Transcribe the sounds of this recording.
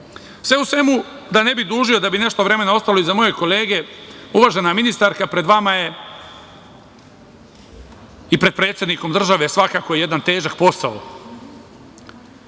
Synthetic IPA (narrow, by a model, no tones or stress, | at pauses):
sʋe̞usʋe̞mu | d̪ane̞bid̪uːʒiod̪abine̞ʃt̪oʋɾe̞me̞nao̞st̪alo̞izamo̞je̞ko̞le̞ːɡe̞uʋaːʒenaminist̪aɾkapɾe̞d̪ʋamaje | ipɾe̞d̪̚pɾet̪sjed̪niko̞md̪r̩ʒaʋesʋakaːkojejed̪ant̪e̞ːʒak̚po̞sao